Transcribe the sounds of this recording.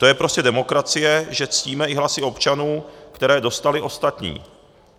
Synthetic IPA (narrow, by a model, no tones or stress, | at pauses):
t̪o̞jɛpɾo̞scɛdɛmo̞kɾat͡sɪjɛʒɛt͡sciːmɛɪɦlasɪo̞pt͡ʃanuːkt̪ɛɾɛːdo̞st̪alɪʔo̞st̪at̪ɲḭː